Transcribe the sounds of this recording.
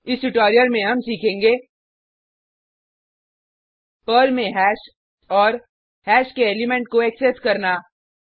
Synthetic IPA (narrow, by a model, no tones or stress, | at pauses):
ɪsʈʊʈɔːɾijəɾmẽɦɐmsiːkʰẽːŋɡeː | pəːlmẽɦɛːʃ | ɔːɾ | hɛːʃkeeːlɪmẽɳʈ̚koɛːkseskɐɾnaː